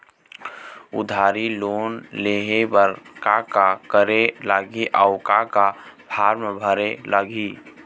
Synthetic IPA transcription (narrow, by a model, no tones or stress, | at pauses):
ʊ̰d̪ʱaːɾiloːnleɦebəɾkakakəɾelaːɡiʔaʊkakabʰʱaːɾmbʱəɾelaɡi